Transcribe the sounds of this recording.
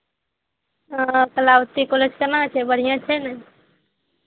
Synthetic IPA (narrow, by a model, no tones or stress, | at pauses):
kəlawt̪ikoled͡ʒkənãt͡ʃʰɛbəɽ̤ijãt͡ʃʰɛnaj